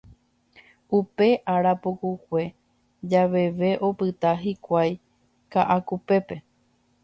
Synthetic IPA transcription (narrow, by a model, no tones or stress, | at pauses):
upe̞ʔaɾapokukʷe̞ | d͡ʒaʋe̞ʋe̞ʔo̞pɨt̪aɦikʷaj | kaʔakupe̞pe̞